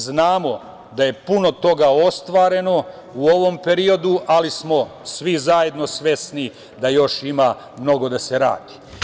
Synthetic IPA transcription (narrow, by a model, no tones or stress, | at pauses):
znaːmo̞ | d̪aje̞puno̞t̪o̞ɡao̞st̪ʋaːɾe̞no̞ | uo̞ʋo̞mpe̞ɾio̞d̪uʔalismo̞sʋizaje̞d̪no̞sʋe̞sni | d̪ajo̞ʃima | mno̞ɡo̞d̪ase̞ɾa̰ːd̪̥i̥